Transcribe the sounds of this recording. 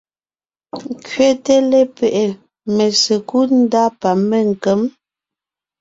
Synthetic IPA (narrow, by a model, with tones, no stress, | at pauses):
ŋ˦kɥe˦te˦le˦pɛ˨ʔe˨ | me˨sə˨ku˦n̩˦da˦pa˨mːe˦˨ŋ̩˨kə˨˦m